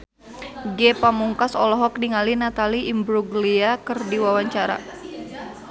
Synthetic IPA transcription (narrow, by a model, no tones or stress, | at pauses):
ɡɛpamuŋkasɔlɔɦɔk̚niŋalinat̪aliʔːmbɾuɡliakɨrdiwawaɲt͡ʃaɾa̰